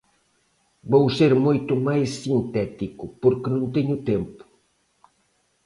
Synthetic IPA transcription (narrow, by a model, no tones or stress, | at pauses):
bowseɾmojt̪umajsːint̪ɛt̪ikʊpoɾkɪnõnt̪eɲʊt̪empʊ̥